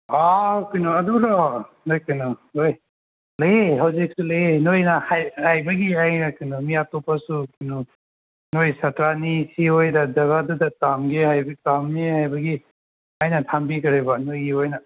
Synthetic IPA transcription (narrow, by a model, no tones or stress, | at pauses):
awkinuɐdulɔ | nojkɯnɔoj | lɐjeɦawzik̚sulɐjenojnahajajbaɡiajakinumijatɔpasukinu | nojsatɾanisiɦojdadɐɡadudatamɡehajbtamniɦajbaɡi | ajnatʰambikɐɾajbanojɡiojna